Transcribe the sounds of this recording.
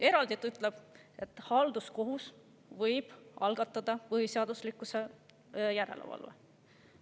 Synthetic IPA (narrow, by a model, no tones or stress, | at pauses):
e̞ɾɑld̪it̪ːˑyt̪ːˑleb̥e̞t̪ːˑhɑld̪usko̞ɦus | vɤjb̥ɑlɡɑt̪ːˑɑd̪̥ɑpɤɦiseɑd̪̥uslikːˑuse | jæɾe̞̰lʔḛvɑ̰lvḛ